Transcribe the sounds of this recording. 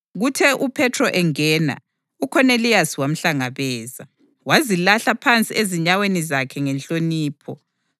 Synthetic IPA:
ɣutʰɛʔupʰɛtʰrɔʔɛŋɛːna̰ | ukʰɔnelijasiwam̩ɬaŋaβɛːza | wazilaɬapʰant͡sʼieziɲawenizakʰɛŋɛnt͡ɬʼoniːpʰɔ

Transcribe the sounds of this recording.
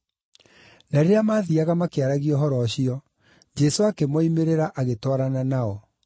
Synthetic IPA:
naɾeamaːðiaɣamakeaɾaɣiɔɦɔɾɔɕiɔ | d͡ʒɛsoakemɔimeɾeɾaʔaɣetwaɾananaɔ

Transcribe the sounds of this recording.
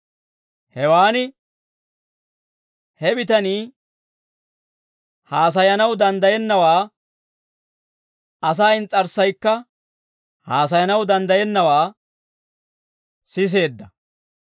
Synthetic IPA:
hɛwaːnɪ | hɛbɪt̪ɐniː | haːs̬ɐjɐnɐwd̪ɐnd̪ɐjɛnːɐwaː | ɐs̬aːɪnt͡sʼːɐɾsɐjkːɐ | haːs̬ɐjɐnɐwd̪ɐnd̪ɐjɛnːɐwaː | sɪs̬e̞ːd̪ːɐ

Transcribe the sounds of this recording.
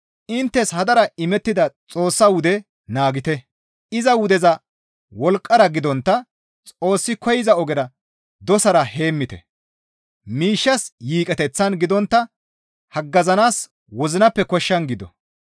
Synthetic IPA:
ʔɪnt̪ːɛshɐd̪ɐɾɐɪmɛt̪ːɪd̪ɐt͡sʼo̞ːsːɐwʊd̪ɛ | naːɡɪt̪ɛ | ɪzɐwʊd̪ɛzɐ | wɔlkʼːɐɾɐɡɪd̪ɔnt̪ːɐ | t͡sʼo̞ːsːɪkɔjɪzɐɔɡɛɾɐ | d̪ɔsɐɾɐhe̞ːmːɪt̪ɛ̰ | miːʃːɐsjiːkʼɛt̪ɛt͡sːɐnɡɪd̪ɔnt̪ːɐ | hɐɡːɐzɐnaːs | wɔzɪnɐpːɛkɔʃːɐnɡɪd̪ɔ̰

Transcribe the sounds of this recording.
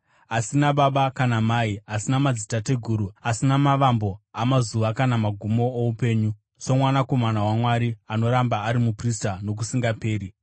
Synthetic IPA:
asinaɓaɓakanamaiasinamad͡zitate̞ɡʱuːɾuasinamaʋambo̞amazuʋakanamaɡʱumo̞ːupe̞ːɲu | so̞mwanako̞manawamwaɾiano̞ɾambaːɾimupristano̞k̬usiŋɡape̞ːɾi

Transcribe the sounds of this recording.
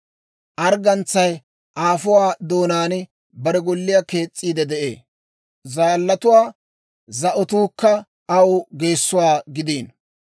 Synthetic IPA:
ʔɐɾɡɐnt͡sːɐj | ʔaːfʊwaːd̪oːnaːnɪ | bɐɾɛɡɔlːɪjake̞ːt͡sʼːiːd̪ɛd̪ɛʔḛː | zaːlːɐt̪ʊwaː | zɐʔɔt̪uːkːɐ | ɐwʊɡe̞ːsːʊwaːɡɪd̪iːn

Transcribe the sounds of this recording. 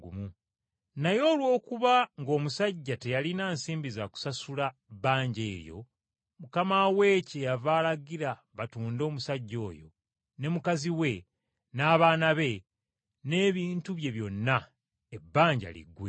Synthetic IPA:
ɡumu | najo̞ːlwo̞ːkuβaŋɡo̞ːmusaɟːate̞jalinaːnsiːmbizaku̥sasulabaːɲɟe̞̰ːɾjo̞̰ | mukamawe̞cejavaːlaɡiɾa | βatuːndo̞ːmusaɟːo̞̰ːjo̞̰ | ne̞mukaziwe̞ | naːβaːnaβe̞ | ne̞ːβiːntuβje̞βjo̞nːa | ebːaːɲɟa̰lḭɡwḛ

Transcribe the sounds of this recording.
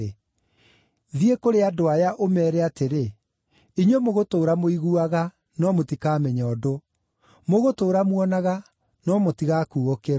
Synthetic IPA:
e | ðiekoɾeadoajaʔomɛːɾɛateɾe | iɲwemoɣotoːɾamoiɣuaɣa | nɔmotikaːmɛɲaɔdo | moɣotoːɾamwɔnaɣa | nɔmotiɣaːkuːɣokeɾ

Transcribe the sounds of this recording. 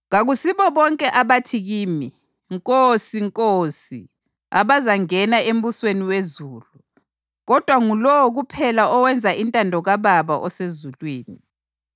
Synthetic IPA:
ɣaɣusiβɔβɔŋkʼɛʔaβatʰiɣiːmi | ŋkʼosiŋkʼoːsi | a̰βazaŋɛnaem̩busweniwezuːlu | ɣɔd̥ʱwaŋulɔwɔɣupʰɛlaɔwɛnd͡zʱaintʼandʱɔɣaβaβaʔɔsezulwiːni

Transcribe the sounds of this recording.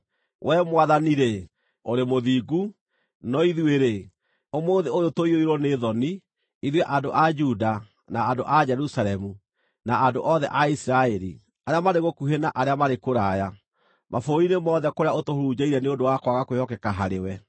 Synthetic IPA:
wʔɛmwaðaniɾe | oɾemoðiɡu | nɔiðweɾe | omoːðeojotoioiɾɔneðɔni | iðwɛʔadoʔad͡ʒuda | naːdoʔad͡ʒɛɾusaɾɛmu | naːndoʔɔðɛʔaisiɾaɛɾḭ | aɾeamaɾeɣokuɦenaʔaɾeamaɾekoɾaja | mʔafoɾoɾinemɔðɛkoɾeaotohoɾud͡ʒaiɾɛneodowakwaɣakwehɔkɛkaɦaɾewɛ

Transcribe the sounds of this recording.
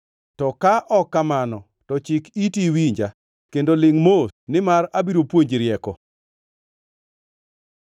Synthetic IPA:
tɔkaʔɔkːamanɔ | tɔt͡ʃɪkitiwiɲd͡ʒa | kendolɪŋmosnɪmaɾabiɾopwoɲd͡ʒɾjɛkɔ

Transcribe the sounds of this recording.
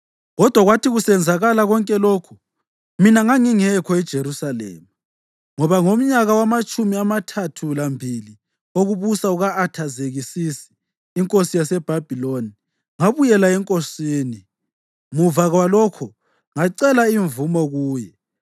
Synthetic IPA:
ɣɔd̥ʱwaɣwatiɣusɛnd͡zʱaɣalaɣɔŋkʼɛlɔːkʰu̥ | minaŋaŋiŋɛkʰɔɛd̥ʒ̥ʱeɾusalɛ̰ːma | ŋɔβaŋom̩ɲaɣawamat͡ʃʼumiamatʰatʰulambʱili | oɣuβusauɣaʔːtʰazeɣisisi̥ː | ŋkʼosijasɛb̥ʱab̥ʱiloni | ŋaβujɛlaɛŋkʼosiːni | muvaɣwalɔkʰɔ | ŋaǀɛlaiɱvumɔɣuːjɛ

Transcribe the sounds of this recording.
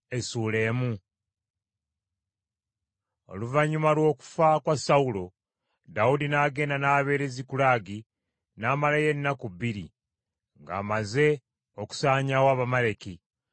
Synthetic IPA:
e̞suːle̞ːmu | o̞̰luvaɲːumalwo̞ːku̥fakwasaulo̞ | daudinaːɡe̞ːndanaːβe̞ːɾezikulaːɡi | naːmalaje̞nːakuβiɾḭ | ŋɡa̰ːmaze̞ | oku̥saːɲawaːβamale̞ki

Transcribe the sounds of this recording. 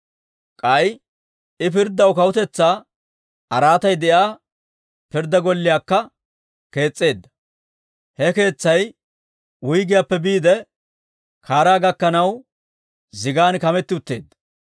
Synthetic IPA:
kʼɐj | ɪpɪɾd̪ːɐwkɐwʊt̪ɛt͡sːaː | ɐɾaːt̪ɐjd̪ɛjaː | pɪɾd̪ːɐɡɔlːɪjaːkːɐ | ke̞ːt͡sʼːe̞ːd̪ːɐ̥ | hɛke̞ːt͡sːɐj | wʊjɡɪjapːɛbiːd̪ɛ | kʰaːɾaːɡɐkːɐnɐw | zɪɡaːnkɐmɛt̪ːɪʊt̪ːe̞̰ːd̪ːɐ̥

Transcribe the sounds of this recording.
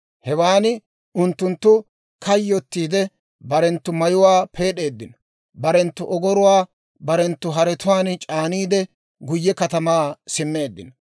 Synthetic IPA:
hɛwaːnɪ | ʊnt̪ːʊnt̪ːʊ | kʰɐjːɔt̪ːiːd̪ɛ | bɐɾɛnt̪ːʊmɐjʊwaːpʰe̞ːɗe̞ːd̪ːɪnɔ̥ | bɐɾɛnt̪ːʊʔɔɡɔɾʊwaː | bɐɾɛnt̪ːʊɦɐɾɛt̪ʊwaːnt͡ʃʼaːniːd̪ɛ | ɡʊjːɛkɐt̪ɐmaːsɪmːe̞ːd̪ːɪ̰nɔ̥

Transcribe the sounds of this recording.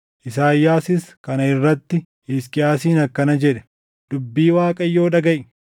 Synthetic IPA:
ʔɪsaːjːaːsɪskɐnɐɪrːɐt̪ːɪ | ɪskʼɪjaːsiːnɐkːɐnɐd͡ʒɛᶑɛ̥ | d̪̥ʊbːiːwaːkʼɐjːo̞ːᶑɐɡɐʔ

